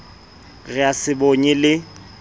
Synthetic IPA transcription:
ɣɪasɪboɲɛlɪ

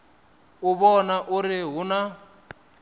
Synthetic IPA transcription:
uβɔnaʔuɾiɦuna

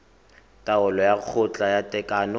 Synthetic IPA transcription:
tʼaʊlɔjak͡xʰʊt͡ɬʼajatʼɛkʼanɔ

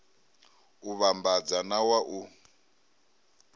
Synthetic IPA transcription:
uβambad͡zanawaʔu

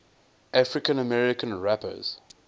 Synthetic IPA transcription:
ʔafɹɪkə̃nəmɛɹɪkə̃nɹæpə̰z̥

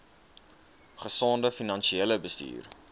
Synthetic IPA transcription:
χəsoːndəfinɐnʃieləbəstḭːr

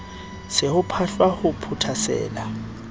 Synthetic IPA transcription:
sɪhʊpʰaɬwahʊpʰʊtʰasɛ̰ːla

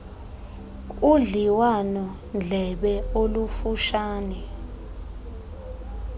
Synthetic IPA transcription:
uɮiwanɔ | nd͡ɮʱɛɓɛolufuʃaːnɛ

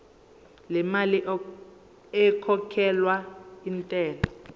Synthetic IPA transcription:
lɛmali | ɛkʰɔkʰɛlwaintʼɛːlɔ

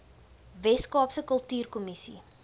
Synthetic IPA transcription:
vɛskɑːpsəkəlˠtyːrkɔmisḭ

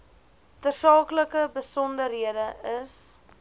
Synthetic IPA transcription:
tərsɑːkləkəbəsɔndərɦiədəəs

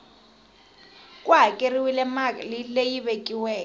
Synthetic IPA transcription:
kʼuɦakʼeriwilɛmalilejiβekʼiwɛːkɔ

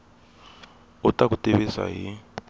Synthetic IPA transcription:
utʼak̬utʼeβesa̰ɦi

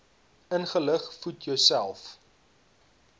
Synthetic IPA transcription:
ənχələχfutjœwsælˠf

